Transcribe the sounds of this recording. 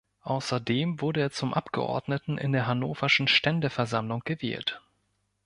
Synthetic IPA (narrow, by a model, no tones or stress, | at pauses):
ʔaʊsɐdeːmvʊɐdəeːɐt͡sʊmʔapɡ̥ə̰ʔɔ̰ɐdnətn̩ʔɪ̰ndeːɐɦanoːfɐʃn̩ʃtɛndəfɛɐzamlʊŋɡ̥əvɛ̰ːlt